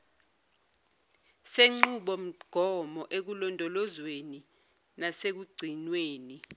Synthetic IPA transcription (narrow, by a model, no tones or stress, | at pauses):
seŋ͡ǃuɓɔm̩ɡ̥ʱɔmɔʔek̬ulɔndʱɔlɔzweni | nasek̬uɡ͡ǀʱinweːni